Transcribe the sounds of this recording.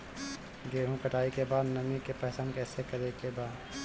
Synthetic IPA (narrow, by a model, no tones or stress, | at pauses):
ɡeːɦũkəʈaːikebaːd̪nɐmikepɛɦsaːnkɛːsekɐɾekebaːd̪